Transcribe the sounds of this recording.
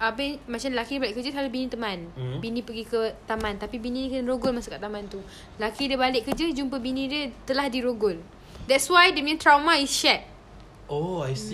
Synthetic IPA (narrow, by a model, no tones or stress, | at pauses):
ʔapəmat͡ʃanlakidibalɪʔkəd͡ʒəsalubinĩt̪əmãnbinĩpəɡikət̪amãnt̪apibinĩnĩkənɾoɡʊlmasukaʔt̪amant̪u | lakidəbalɪk̚kːəd͡ʒəd͡ʒumpəbinĩdət̪əlahdiɾoɡʊl | dɛtswajdəmɛ̃nt̪ɾawmaisʃɛt̪̚ | oajs